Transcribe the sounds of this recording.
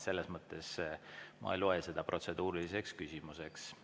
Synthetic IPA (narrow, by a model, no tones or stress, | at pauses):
se̞lːesmɤt̪ːˑe̞smʔɑ̰ejlo̞ese̞d̪̥ɑpro̞t̪se̞d̪̥uːɾilise̞kskysʲimuse̞ks